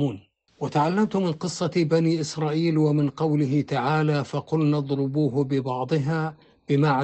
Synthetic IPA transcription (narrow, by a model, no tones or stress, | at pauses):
uːn | wɪt̪aʕalːamt̪ʊmɪnqɨsˤːɑbaniːʔɪsɾˤɑːʔiːlwamɪnqɑwlɪɦɪt̪aʕaːlaːfɑqʊlnɑd̪ˤɾʊbuːɦʊbɪbɑʕd̪ˤɨɦaː | b̥ɪmaʕa